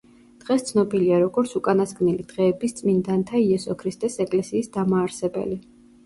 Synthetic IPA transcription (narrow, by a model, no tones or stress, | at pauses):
d̪̥ʁɛst̪sʰnɔbiliaɾɔɡɔɾt̪sʰukʼanaskʼnilid̪̥ʁɛːbist̪sʼmind̪ant̪ʰaiɛsɔkʰɾist̪ʼɛsɛkʼlɛsiːsd̪amaːɾsɛbɛ̰li